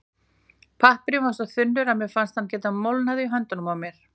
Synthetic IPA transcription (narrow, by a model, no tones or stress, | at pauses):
pʰahpɾjʏvasɔθʏnːʏɾaðmɛfanst̪hancɛːt̪amowlnaðɪiɦœnt̪ʏnʏmawmjɛɾ̥